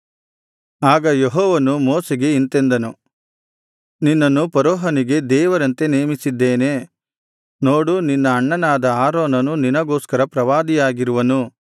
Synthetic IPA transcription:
aːɡɐjeɦɔːʋɐnumoːseɡe̞int̪end̪ɐnu | ninːɐnːupɐɾɔːɦɐniɡe̞d̪ɛːʋɐɾɐnt̪e̞neːmisid̪ːeːne̞ | noːɽuninːɐːɳːɐnaːd̪ɐaːɾoːnɐnuninɐɡoːskɐɾɐpɾɐʋaːd̪ijaːɡiɾuʋɐnu

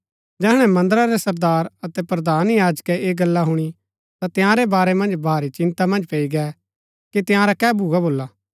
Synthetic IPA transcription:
d͡ʒɛːɦɽ̃ɛmɐ̃nd̪əɾaɾɛsɐɾd̪aːɾɐt̪ɛpɾɐd̪aːnjaːd͡ʒkɛʔeːɡɐlːaɦʊɽ̃i | t̪at̪ɪjãɾebaːɾɛmɐ̃nd͡ʒbʱaːɾit͡ʃɪ̃nt̪amɐ̃nd͡ʒpeːiɡɛ | kit̪ɪjãɾakɛːbʱuɡaboːlːaː

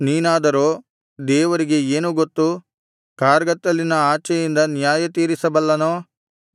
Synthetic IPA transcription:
niːnaːd̪ɐɾoː | d̪ɛːʋɐɾiɡe̞eːnuɡot̪ːu | kaːɾɡɐt̪ːɐlːinɐaːt͡ʃɛjind̪ɐnjaːjɐt̪iːɾisɐbɐlːɐnoː

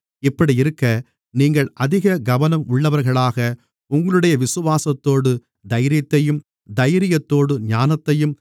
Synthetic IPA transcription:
ɪpːɐɽiɪɾɯkːɐ | niːŋɡɐɭʔɐðɪɣɐɡɐʋɐnɐmʊɭːɐʋɐɾɣɐɭaːɣɐ | ʊŋɡɐɭɯɽɐjɐʋɪsɯʋaːsɐt̪ːoːɽɯ | d̪ɐjɾɪjɐt̪ːɐjɯm | d̪ɐjɾɪjɐt̪ːoːɽɯɲaːnɐt̪ːɐjɯm

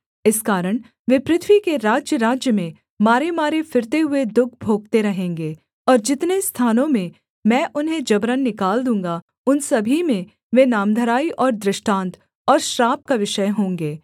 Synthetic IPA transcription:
ɪskaːɾəɽ̃ | ʋɪpɾɪt̪ʰwikeɾaːd͡ʒjəɾaːd͡ʒjəmẽ | maːɾemaːɾefɪɾt̪eɦʊed̪ʊk̚ʰbʱoːɡ̚t̪eɾɐɦẽːŋɡeː | ɔːɾd͡ʒɪt̪nest̪ʰaːnõmẽ | mɛ̃ːʔʊnɦẽd͡ʒɐbɾənːɪkaːld̪ũːŋɡa | ʊnsɐbʱimẽ | ʋẽnaːmd̪ʱəɾaːiʔɔːɾd̪ɾɪʃʈãːnt̪ | ɔːɾʃɾaːp̚kaʋɪʃəjɦõːŋɡeː

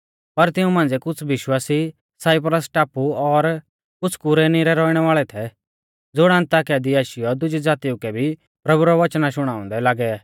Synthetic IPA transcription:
pɐɾt̪ɪũmãːn̆d͡zɛkʊt͡sʰʋɪʃwaːsi | saːɪpɾəsʈaːpuɔɾ | kʊt͡sʰkʊɾɛniɾɛɾɔːiɽ̃ɛʋaːɭɛt̪ʰɛ | d͡zoːɽɛə̃nt̪aːkiad̪iaːʃɪjɔd̪ʊd͡ʒid͡zaːt̪iʊkɛbʱi | pɾɐbuɾɔʋɐt͡ʃnaʃʊɽ̃ãːʊ̃nd̪ɛlaːɡɛaː

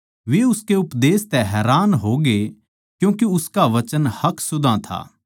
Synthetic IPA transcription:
ʋeʊskeʊpd̪eːst̪ɛɦɛːɾaːnɦoːɡe | kjũːkiʊskaʋɐt͡ʃənhɐksʊd̪ʱãt̪ʰa̰ː

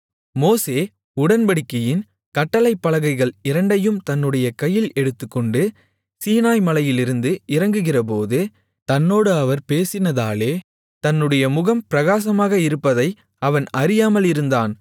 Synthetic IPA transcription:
moːseː | ʊɽɐnbɐɽɪkːɐjɪn | kɐʈːɐlɐɪpːɐlɐɣɐɪɣɐɭɪɾɐɳɖɐjɯmt̪ɐnːɯɽɐjɐkɐjːɪlɛɽɯt̪ːɯkːɔɳɖɯ | siːnaːjmɐlɐjɪlɪɾɯnd̪ɯʔɪɾɐŋɡɯɣɪrɐp̬oːðɯ | t̪ɐnːoːɽɯɐʋɐɾpeːsɪnɐðaːleː | t̪ɐnːɯɽɐjɐmʊɣɐmpɪɾɐɣaːsɐmaːɣɐɪɾɯpːɐðɐɪ | ɐʋɐnɐɾɪjaːmɐlɪɾɯnd̪aːn

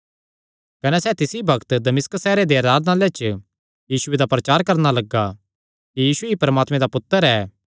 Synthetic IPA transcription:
kɐnɛsɛt̪ɪsibʱɐkt̪d̪ɐmɪskəsːɛːɾed̪eɐɾaːd̪naːlet͡ʃə | jiːsʊed̪apɾɐt͡ʃaːɾkɐɾnalɐɡa | kijiːsuipɐɾəmaːt̪mẽd̪apʊt̪ːəɾɛː

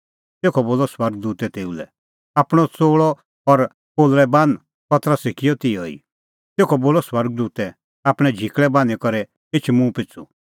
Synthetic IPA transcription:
t̪eːkʰɔboːlɔswɐɾɡ̚d̪uːt̪ɛt̪eːulɛ̰ | aːpɽ̃ɔt͡soːɭɔ | ɔɾ | poːlɾɛbãn | pɐt̪ɾəsɪkʰijɔt̪ɪɔḭ | t̪eːkʰɔboːlɔswɐɾɡ̚d̪uːt̪ɛ | aːpɽ̃ɛ̃d͡ʒʱikɭɛbãnikɔɾɛ | ɪt͡ʃʰmũpɪt͡sʰu

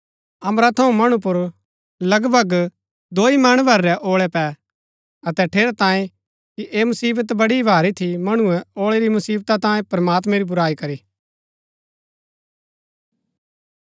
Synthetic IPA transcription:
ɐmɾat̪ʰɐũmɐɽ̃up̬ʊɾ | lɐɡbʱɐɡ | d̪oːimaːɽ̃bɐɾːɛʔoːɭɛpɛ | ɐt̪ɛʈʰeːɾat̪ãːẽ | kiʔeːmʊsiːbət̪bɐɽibʱaːɾit̪ʰimɐɽ̃uɛ̃oːɭeɾimʊsiːbt̪at̪ãːẽpɾɐmaːt̪mɛ̃ɾibʊɾaːikɐɾiː

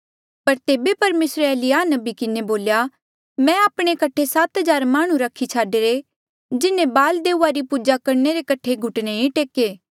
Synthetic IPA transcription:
pɐɾt̪eːbepɐɾmeːsɾeɛːlɪjaːnɐbikɪneboːlja | mɛ̃aːpɽ̃ekɐʈʰesat̪ɦɐd͡ʒaːɾmaːɽ̃ũɾɐkʰit͡ʃʰaːɖeɾe | d͡ʒɪnẽbaːld̪eːuaɾipuːd͡ʒakɐɾneɾekɐʈʰeɡʱʊʈneĩʈeːkeː

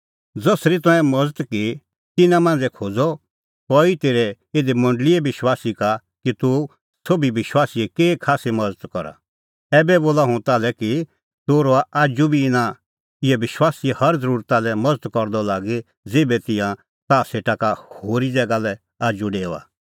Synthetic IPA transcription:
d͡zɔsɾit̪̬ɔ̃ɛ̃mɐd͡zət̪ki | t̪ɪnãmãːnd͡zɛkʰoːd͡zɔ | kɔit̪eːɾɛ | ed̪emɐ̃ɳɖliɛbɪʃwaːsika | kit̪u | sobiʋɪʃwaːsiɛkeːkʰaːsimɐd͡zət̪kɔɾa̰ | ɛːbɛboːlaɦʊ̃t̪aːlɛki | t̪oɾoaʔaːd͡ʒubʱiɪnã | ɪɛʋɪʃwaːsihɐɾd͡zəɾuːɾt̪alɛmɐd͡zət̪kɔɾd̪ɔlaːɡi | d͡zeːbɛt̪ɪ̃jã | t̪aːseːʈakahoːɾid͡zɛːɡalɛ | aːd͡ʒuɖeːa̰ː

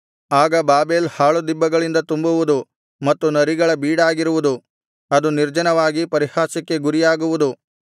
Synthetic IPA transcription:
aːɡɐbaːbe̞ːlhaːɭud̪ibːɐɡɐɭind̪ɐt̪umbuʋud̪u | mɐt̪ːunɐɾiɡɐɭɐbiːɽaːɡiɾuʋud̪u | ɐd̪uniɾd͡ʒɐnɐʋaːɡipɐɾihaːsɐkːe̞ɡuɾijaːɡuʋud̪u

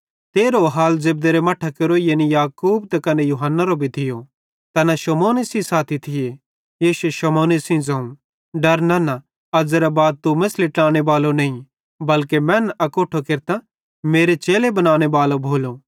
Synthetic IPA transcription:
t̪eːɾoɦaːlzɪb̚d̪eɾemɐʈʰːakeɾoijenijaːkuːbt̪ɐkɐnejuɦənːaɾobʱit̪ʰɪjo | t̪ɐnaʃɐmoːnesĩsaːt̪ʰit̪ʰɪje | eːʃeʃɐmoːnisĩd͡zɐ̃ũ | ɖɐɾnɐna | ɐd͡zɾabaːd̪̚t̪umɪslɪʈaːɽ̃ebaːlonɐĩ | bɐlkemɛ̃ːnɐkoːʈʰokɪɾt̪a | meːɾet͡ʃeːlebɐnaːɽ̃ebaːlobʱoːlo

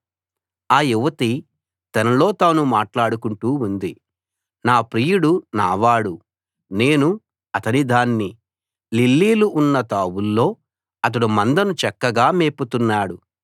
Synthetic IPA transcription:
aːjuʋɐt̪i | t̪ɐnɐlo̞ːt̪aːnumaːʈlaːɽukuɳʈuːund̪i | naːpɾiːjuɽuna̰ːʋaːɽu | ne̞ːnu | ɐt̪ɐnid̪aːnːi | lilːiːluʔːnːɐt̪aːwulːo̞ː | ɐt̪̬ɐɽumɐnd̪ɐnut͡ʃɛkːɐɡaːmeːput̪unːaːɽu

